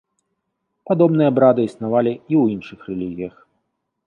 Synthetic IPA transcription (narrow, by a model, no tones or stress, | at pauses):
pad̪ɔbnɨjɐabɾad̪ɨisnavalʲiiwinʂɨxrɛlʲiɣʲijɐx